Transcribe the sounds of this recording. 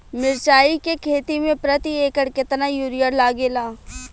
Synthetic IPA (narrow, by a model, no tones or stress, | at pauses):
mɪɾt͡ʃaːikekʰeːt̪imẽpɾət̪ieːkəɽkɪt̪najuːɾijəɾlaːɡeːlaː